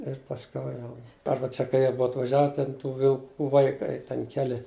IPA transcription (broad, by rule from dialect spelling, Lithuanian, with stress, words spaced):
ɪr pɐsʲˈkʲɛʊ jɛʊ ˈɐrbɐ t͡ʃʲɛ kɐɪ ˈjiɛ ˈbʊɐ ɐtʋɐˈʒʲæːʋʲɛ tʲɛn tuː ʋʲɪlˠˈkuː ʋɐɪˈkɐɪ tʲɛn ˈkʲæːlʲɪ